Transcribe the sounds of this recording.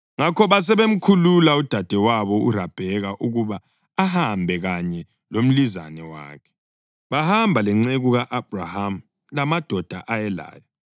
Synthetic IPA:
ŋakɔβas̬ɛβem̩kʰululaud̥ʱad̥ʱɛwaβɔurab̥ʱɛɣaʔuɣuβaː | hambʱɛɣaɲɛ | lom̩lizanɛwa̰ːkʰɛ̥ | βahambʱalɛŋ͡ǀeɣuɣaʔab̥̚ʱraham̩ | lamad̥ʱɔd̥ʱa̰ʔajɛla̰ːjɔ

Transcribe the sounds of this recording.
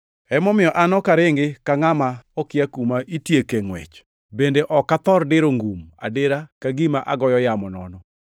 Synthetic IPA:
ɛmɔmɪjɔʔanɔkaɾɪŋɡɪkaŋamaɔkɪjakumaʔitjekeŋwɛ̰t͡ʃ | bendeʔɔkat̪ɔɾdɪɾoŋɡuma̰dɪɾakaɡimaʔaɡɔjɔjamɔnɔnɔ

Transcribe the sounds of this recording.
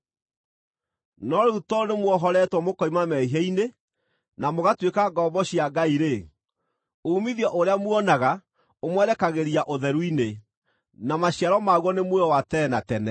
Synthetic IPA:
nɔɾeutɔonemwɔɦɔɾɛtwɔmokɔimamɛiɦeine | namoɣatwekaɡɔbɔɕiaɡaiɾe | oːmiðjɔʔoɾeamwɔnaɣa | omwɛɾɛkaɣeɾiaʔoðɛɾuine | namaɕiaɾɔmaɣwɔnemwɛwatɛnatɛnɛ

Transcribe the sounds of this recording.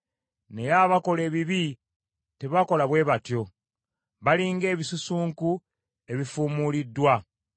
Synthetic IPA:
ne̞jaːβako̞le̞ːβiβi | te̞βako̞laβwe̞ːβatjo̞ | βaliːŋɡe̞ːβisusuːŋku | e̞βifuːmulidːwa

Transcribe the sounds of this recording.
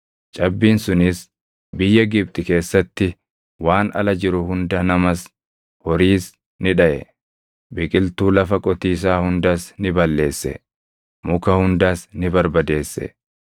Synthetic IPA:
t͡ʃʼɐbːiːnsʊnɪs | bɪjːɐɡɪb̚t̪ʼɪke̞ːsːɐt̪ːɪ | waːnɐ̰lɐd͡ʒɪɾʊhʊnd̪ɐnɐmɐs | hɔɾiːs | nɪᶑɐʔɛ̰ | bɪkʼɪlt̪uːlɐfɐkʼɔt̪iːs̬aːhʊnd̪aːsnɪbɐlːe̞ːsːɛ̰ | mʊkɐhʊnd̪aːsnɪbɐɾbɐd̪e̞ːsːɛ̰

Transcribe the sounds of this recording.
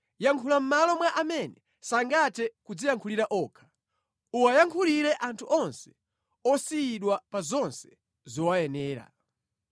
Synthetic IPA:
jaŋkʰulam̩malɔmwaʔamɛnɛ | saŋɡatɛkud͡zijaŋkʰuliɾaʔɔːkʰḁ | uwajaŋkʰuliɾɛʔantʰuʔɔnsɛ̥ | ɔsiiɗwapazɔnsɛ̥ | zɔwajɛnɛːɾa̰

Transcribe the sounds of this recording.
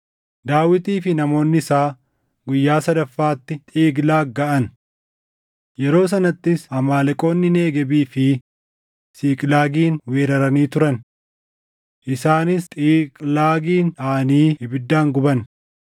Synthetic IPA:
d̪aːwɪt̪iːfɪnɐmo̞ːnːɪsaː | ɡʊjːaːsɐd̪ɐfːaːt̪ːɪt̪ʼiːɡlaːɡɐʔɐn | jɛɾo̞ːs̬ɐnɐt̪ːɪsɐmaːlɛkʼo̞ːnːɪne̞ːɡɛbiːfɪ | siːkʼlaːɡiːnweːɾɐɾɐniːt̪ʊɾɐn | ʔɪsaːnɪst̪ʼiːkʼlaːɡiːnaːniːhɪbɪd̪ːaːŋɡʊbɐn

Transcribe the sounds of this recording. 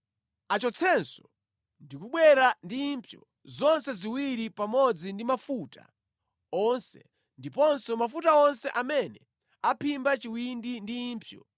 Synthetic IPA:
at͡ʃɔt͡sʰɛnsɔ̥ | ndikuɓwɛɾandimpʰjɔ̰ | zɔnsɛziwiɾipamɔd͡zindimafutʰa̰ | ɔnsɛ̰ | ndipɔnsɔmafutaɔnsɛʔamɛnɛ | apʰimbat͡ʃiwindindiːmpʰjɔ̰

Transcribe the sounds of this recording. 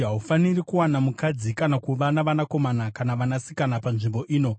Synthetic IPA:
ɦaufanirikuwanamukad͡zikanakuʋanaʋanako̞manakanaʋanasi̥kanapanʐimbo̞ʔiːno̞

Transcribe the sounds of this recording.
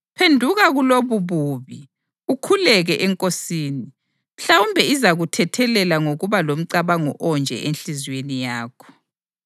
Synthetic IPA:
pʰendʱuɣaɣuloβuβuβi | ukʰulɛɣɛʔɛŋkʼosiːni | m̩ɬawumbʱɛizaɣutʰɛtʰɛlɛlaŋoɣuβalom̩ǀaβaŋɔ̰ʔɔnd͡ʒʱɛ̰ʔenɬizwenijaːkʰɔ̥

